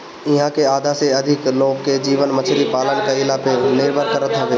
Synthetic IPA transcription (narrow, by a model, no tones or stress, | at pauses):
ɪɦãkeaːd̪ʱaseɐd̪ʱɪkloːɡkːed͡ʒiːʋənmət͡ʃʰɾipaːlənkeɪlaːpenɪɾbʱəɾkəɾət̪ɦɐʋeː